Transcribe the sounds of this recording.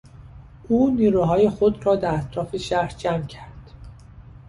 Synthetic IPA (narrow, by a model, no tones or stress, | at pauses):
ʔuːniːɾuːɦɒːjexod̪ɾɒːd̪æɾæt̪ʰɾɒːfeʃæɾɾd͡ʒæmcʰæɾd̪̥